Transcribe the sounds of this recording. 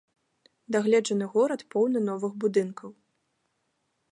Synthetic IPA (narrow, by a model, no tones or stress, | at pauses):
d̪aɣlʲɛd͡ʐɐnɨɣɔɾɐt̪pɔwnɨnɔvɨɣbud̪ɨnkʰɐw